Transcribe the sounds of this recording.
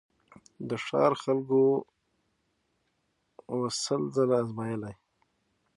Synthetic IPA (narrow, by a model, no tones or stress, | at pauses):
d̪əʂɑ̰ːɾxalɡo | wasəlzalaːzmɑjəlaj